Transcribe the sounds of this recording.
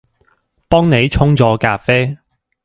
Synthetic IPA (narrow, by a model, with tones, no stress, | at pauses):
pɔː˥ŋne˨˧jt͡sʰʊ˥ŋt͡sɔː˨˥kaː˧p̚feː˥